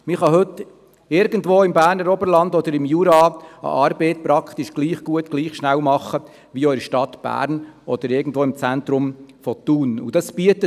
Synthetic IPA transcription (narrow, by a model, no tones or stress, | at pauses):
mɪχɑɦɵt̪ː | ɪɾɡ̥ən̩dʋoːɪmbæːɾnəɾɔbəɾlɑnd̪ɔd̪əɾɪmjuːɾɑə̰ʔɑːɾbeːt̪pɾɑkχt̪ɪʃɡ̥liːχɡ̥uət̪ɡ̥liːχʃnæwmɑχːə | ʋiːɔʏɾʃtɑt̪b̥æ̰ːɾnɔd̥̪əɾɪɾɡn̩dʋoːɪmt͡sænt̪ɾʊmfɔt̪uːnṵd̥ɑsb̥iət̪ːə